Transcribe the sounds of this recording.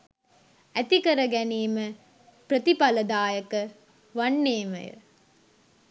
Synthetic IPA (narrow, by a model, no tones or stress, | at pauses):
æt̪ikɐɾɐɡæniːmə | pɾət̪ipɐləd̪aːjəkə | ʋɐnːeːmə̰jə̰